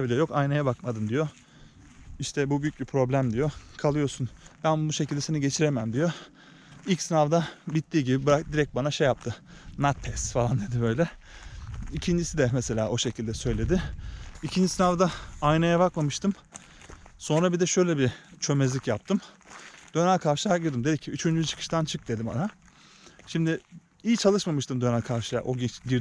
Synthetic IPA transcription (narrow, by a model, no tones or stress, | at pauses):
bilʲijjo̞kajnajabakmad̪ɯmd̪ijo | iʃt̪ʰɛbubyjyc̚bipʰɾo̞blʲæmd̪ijo̞kʰalˠɯjo̞sunbænbuʃe̞cʰilʲd̪ɛseniɟe̞t͡ʃʰiɾemæmd̪ijo̞ | ilʲcsinavd̪abit̪ːiːɟibibɯɾakd̪iɾɛc̚t̪̚banaʃejap̚t̪ʰɯmat̪̚pʰɛsfalˠand̪e̞d̪ibø̞jlʲɛ | icʰind͡ʒisid̪ɛmese̞lʲaːʔo̞ʃecʰilʲd̪ɛsø̞jlʲe̞d̪ɪicʰind͡ʒisinavd̪aːjnajabakmamɯʃt̪ʰɯm | so̞nɾabid̪ɛʃø̞jlʲɛbit͡ʃʰø̞mezlʲicjap̚t̪ʰɯmd̪̥ø̞nælʲkʰaɾʃɯlˠaɟɯɾd̪ɯmd̪e̞d̪icʰːiyt͡ʃʰynd͡ʒyt͡ʃʰɯ̥kʰɯ̥ʃt̪ʰant͡ʃʰɯk̚d̪e̞d̪ima̰na | ʃimd̪ɪ | ijt͡ʃʰalˠɯʃmamɯʃt̪ɯmd̪ø̞nælʲkʰaɾʃɯlˠa̰ʔo̞ɟiɟiɾ